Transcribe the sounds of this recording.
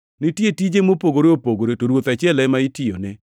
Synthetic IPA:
nɪtjetid͡ʒemopoɡoɾeopoɡoɾetoɾwot̪at͡ʃɪɛlɛmaitione

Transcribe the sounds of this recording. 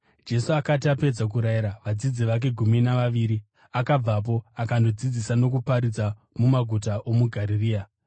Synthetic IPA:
d͡ʒe̞suakatiape̞d͡zak̬uɾajiɾaʋad͡zid͡ziʋak̬e̞ɡʱuminaʋaʋiːɾi | akab͡vap̬o̞akando̞d͡zid͡zisano̞k̬upaɾid͡za | mumaɡʱutaʔo̞muɡʱaɾiriːa

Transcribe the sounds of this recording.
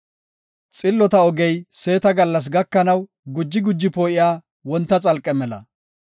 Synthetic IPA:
t͡sʼɪlːɔt̪ɐɔɡɛjse̞ːt̪ɐɡɐlːɐs̬ɡɐkːɐnɐw | ɡʊd͡ʒːɪɡʊd͡ʒːɪpoːʔɪjaː | wɔnt̪ːɐt͡sʼɐlkʼːɛmɛlɐ̰

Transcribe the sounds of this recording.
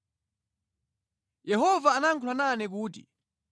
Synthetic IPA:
jɛɦɔvaːnaŋkʰulananɛk̬uːtḭ

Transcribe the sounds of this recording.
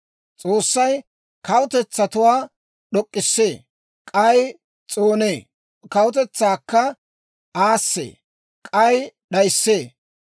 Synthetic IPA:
t͡sʼo̞ːsːɐj | kɐwʊt̪ɛt͡sːɐt̪ʊwaː | ɗɔkʼːɪsːeː | kʼɐj | t͡sʼoːneː | kɐwʊt̪ɛt͡sːaːkːɐ | aːsːḛː | kʼɐjɗɐjsːeː

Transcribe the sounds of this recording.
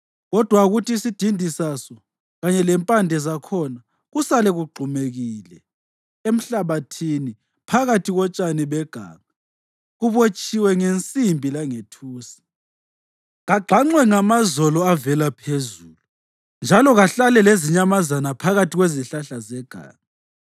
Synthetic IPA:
ɣɔd̥ʱwaɣutʰiːsid̥ʱindʱisasɔ | ɣaɲɛlɛmpʼandʱɛzakʰɔna | ɣusalɛɣuɡ͡ǃʱumeɣiːlɛ | em̩ɬaβatʰini | pʰaɣatʰiɣɔt͡ʃʼaniβɛɡ̥ʱa̰ːŋa | ɣuβot͡ʃʼiwɛŋent͡sʼimbʱilaŋetʰuːsi̥ | ɣaɡ͡ǃʱaŋ͡ǀwɛŋamazɔlɔavɛlapʰezuːlu | nd͡ʒʱalɔɣaɬalɛleziɲamazanapʰaɣatʰiɣweziɬaɬazɛɡ̥ʱa̰ːŋa

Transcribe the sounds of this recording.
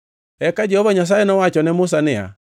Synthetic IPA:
ɛkad͡ʒɛhɔβaɲas̬aɛnɔwat͡ʃɔnɛmʊs̬anɪa̰

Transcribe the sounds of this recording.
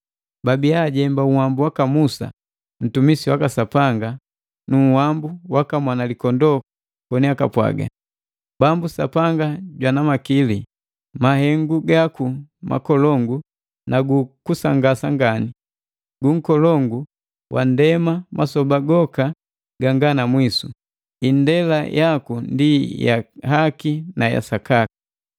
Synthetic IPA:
babiaɟɛmbauhambuwakamusa̰ | n̩tumisiwakasapaŋɡa | nuŋhambuwakamwanalikɔndɔk | kɔniakapwa̰ɡa̰ | bambusa̰paŋɡaɟwanamakili | mahɛŋɡuɡakuma̰kɔlɔŋɡu | naɡukusaŋɡasaŋɡani | ɡuŋ̩kɔlɔŋɡu | wʔa̰ndɛmamasɔbaɡɔka | ɡ̥aŋɡanamwisu | indɛlajʔakundija̰hakinaja̰sakakḁ

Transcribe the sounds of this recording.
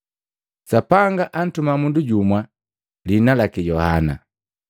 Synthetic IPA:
sapaŋɡaʔan̩tumamunduɟumwa | linalakijɔha̰na̰

